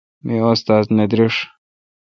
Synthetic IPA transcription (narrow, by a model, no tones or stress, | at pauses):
miost̪aːzned̪ɾiʂ